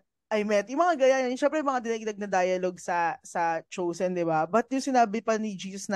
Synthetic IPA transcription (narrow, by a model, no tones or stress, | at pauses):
ʔɐjmɛt̪jʊmɐŋaɡɐjanɐnʃɛmpɾɛjʊmɐŋad̪ɪnɐɡ̚d̪ɐɡ̚nɐd̪ajɐloɡsɐsɐt͡ʃowsɛnd̪ɪbabɐt̪̚jʊŋsɪnaːbɪpɐnɪd͡ʒiːsɐsnɐ